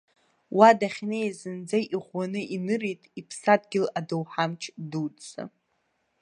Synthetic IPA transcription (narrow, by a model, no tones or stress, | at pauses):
wadaχʲnejazɨnd͡zajʔiʁʷwanɨʔinɨrejtʼipʰsadɡʲɪladowħamt͡ʃʰdudt͡sa̰